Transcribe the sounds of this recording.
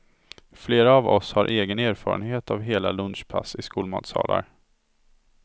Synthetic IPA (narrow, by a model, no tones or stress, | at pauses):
fleːɾaːvɔshaɾʔeːɡəneːɾfɑːɾənheːt̪avɦeːlalɵnʂpʰasɪskuːlmɑːt̪sɑ̰ːlaɾ